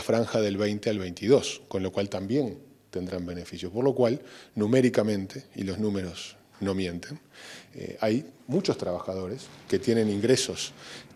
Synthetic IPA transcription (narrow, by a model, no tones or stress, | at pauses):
afɾaŋxaðe̞lβejnt̪ealβejnt̪iðo̞sko̞nlo̞kwalt̪ambje̞n | t̪e̞nd̪ɾambe̞ne̞fisjopo̞ɾlo̞kwalnumeɾikamẽ̞nt̪e̞ḭlo̞znũme̞ɾos | no̞mjẽ̞nt̪ʰe̞nḛajmut͡ʃo̞st̪ɾaβaxað̞o̞ɾe̞ske̞t̪jenẽ̞niŋɡɾe̞so̞s